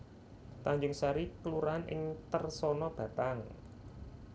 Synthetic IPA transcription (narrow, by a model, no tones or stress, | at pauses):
t̪aɲd͡ʒʊŋsaɾikəluɾanʔɪ̰ŋt̪ərsɔnɔb̥ä̤t̪aŋ